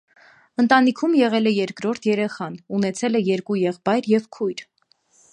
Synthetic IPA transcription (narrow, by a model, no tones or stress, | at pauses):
ənt̪ɑnikʰumjɛʁɛlɛjɛɾkɾɔɾt̪ʰjɛɾɛχɑnunɛt͡sʰɛlɛjɛɾkujɛʁbɑjɾjɛvkʰujɾ